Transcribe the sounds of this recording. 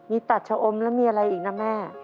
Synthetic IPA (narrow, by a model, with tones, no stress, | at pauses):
miː˧t̪a˨˩t̪̚t͡ɕʰa˧ʔo˧mlɛ˦˥miː˧ʔa˧ɾa˧jʔiː˨˩k̚na˦˥mɛː˥˩